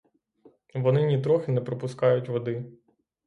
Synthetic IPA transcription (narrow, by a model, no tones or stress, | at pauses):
ʋɔnɪnʲit̪ɾɔxɪnɛpɾɔpʊskɑjʊtʲʋɔd̪ɪ